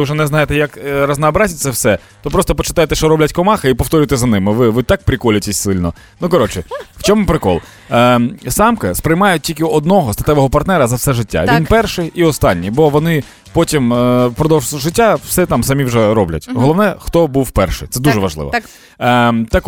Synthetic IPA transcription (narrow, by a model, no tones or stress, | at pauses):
ɪwʒɛnɛznɑjet̪ɛjakrɐznɐɔbɾɑzʲit̪ʲsʲɛwsɛ | t̪ɔpɾɔst̪ɔpɔt͡ʃɪ̥t̪ɑjet̪ɛʃt͡ʃɔɾɔblʲɐtʲkɔmɑxɪipɔwt̪ɔɾʲujɪt̪ɛzɐnɪmɪʋɪʋɪt̪ɑk̚pɾʲɪkɔlʲʊtʲesʲsɪlʲnɔ | nukɐɾɔt͡ʃɪw̥t͡ʃɔmʊpɾɪkɔ̰lˠ | sɑmkɐspɾɪjmɑjʊt̚ʲtʲilʲkɪɔd̪̚nɔɦɔst̪ɐt̪ɛʋɔɦɔpɐrt̪nɛɾɐzɐwsɛʒɪtʲːa̰ʋʲinpɛrʃɪiɔst̪ɑnʲːibɔʋɔnɪ | pɔtʲimpɾɔd̪ɔwʒʒɪtʲːaw̥sɛt̪ɑmsɐmʲiwʒɛɾɔblʲɐ̰tʲɦɔlˠɔʋnɛxt̪ɔbuwpɛrʃɪ̰t̪sɛd̪uʒɛʋɐʒlˠɪ̰ʋɔ̰ | t̪ɑk